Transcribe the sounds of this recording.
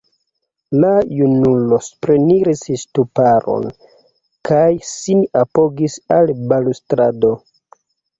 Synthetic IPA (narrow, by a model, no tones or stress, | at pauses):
lajunulo̞spɾeniɾisstupaɾo̞̰n | kajsinapo̞ɡisalbalustɾado̞